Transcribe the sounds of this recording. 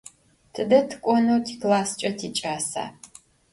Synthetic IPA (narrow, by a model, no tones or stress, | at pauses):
tʰɨdɐtʰɨ̥kʷʼɔnuwtʰiːklaːst͡ʃʼɐtʰiːt͡ʃʼaːsa̰ː